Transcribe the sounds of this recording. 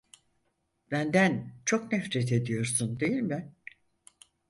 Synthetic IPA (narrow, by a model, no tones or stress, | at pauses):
b̥ænd̪ænt͡ʃʰo̞knɛfɾet̪ʰe̞d̪ijo̞ɾsund̪e̞jilʲmbɪ